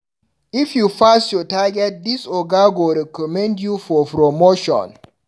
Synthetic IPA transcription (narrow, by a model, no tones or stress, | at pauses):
ifjufastjɔtaɡɛt̚disɔɡaɡoɾɛkɔmɛ̃ndjufɔpɾomoʃɔ̰̃n